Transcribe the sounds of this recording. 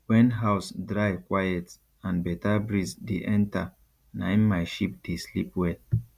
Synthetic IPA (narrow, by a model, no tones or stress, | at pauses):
wɛnɦaʊsdɾajkwajɛt | ãnbɛtabɾizdeʔɛ̃nta | na̰immajʃip̚d̥eslipwe